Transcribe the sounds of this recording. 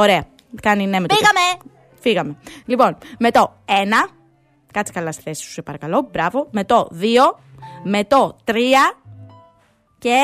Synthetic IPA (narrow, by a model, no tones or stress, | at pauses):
oɾe̞ɐ | kɐninemetoiɣɐme | fiɣɐme̞lipo̞nme̞t̪o̞ | e̞nɐ | kɐt͡si̥kɐlɐst̪i̥θe̞si̥su̥sepɐɾɐkɐlo̞bɾɐvo̞me̞t̪o̞ðio̞ | me̞t̪ot̪ɾiɐ | ce